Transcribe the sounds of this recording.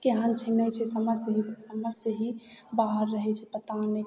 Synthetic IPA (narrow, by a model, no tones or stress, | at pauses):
keɦãnt͡ʃʰinət͡ʃʰɛsəməsəɦisəməsəɦibaɦəɾːəɦɛt͡ʃʰɛpət̪ane